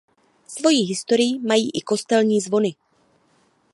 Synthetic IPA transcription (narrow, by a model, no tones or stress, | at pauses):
svo̞jiːɦɪst̪o̞ɾɪjɪmajiːʔɪko̞st̪ɛlɲiːzvo̞nɪ